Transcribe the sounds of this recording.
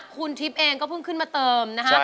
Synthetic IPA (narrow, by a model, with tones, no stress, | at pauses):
kʰu˧nt̪ʰi˦˥p̚ʔeː˧ŋkɔː˥˩pʰɯ˦˥˩ŋkʰɯ˥˩nmaː˧t̪ɤː˧mna˦˥ka˦˥